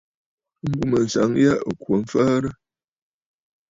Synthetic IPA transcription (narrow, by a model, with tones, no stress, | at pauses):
m̩˦bu˦mə˨n̩˨sa̰˨˦ŋja˦ʔkwə˨˦fə˦ɾə˦